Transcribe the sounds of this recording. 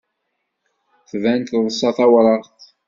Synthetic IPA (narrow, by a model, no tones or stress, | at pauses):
θvænt̪ðˤəsˤːɑθæwɾˤɑɾθ